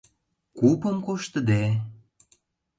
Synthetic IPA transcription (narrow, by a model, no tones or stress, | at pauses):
kupə̆mkoʃt̪ə̆d̪e